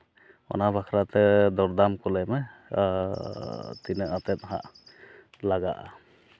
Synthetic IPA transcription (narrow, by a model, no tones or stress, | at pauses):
ɔ̰nabʱakʰɾat̪ɛd̪ɔɾd̪amkɔlɛmɛ | t̪inəʔat̪ɛt̪̚ɦa̰ʔ | laɡa̰ʔa̰